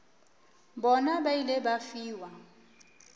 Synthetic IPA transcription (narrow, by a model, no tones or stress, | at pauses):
bɔnabailɪbafiːwa